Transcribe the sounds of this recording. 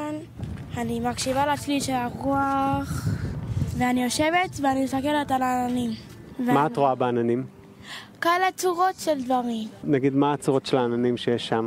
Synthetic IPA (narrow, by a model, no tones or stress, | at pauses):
n | animakʃivalat͡sliʃelaʁuaχ | veanijo̞ʃe̞vetveanimesakeletalaːnanim | vemaːtʁoabeananim | kaelet͡suʁo̞tʃeldvaʁimnaɡid̪mat͡suʁotʃelaananimʃejeʃːam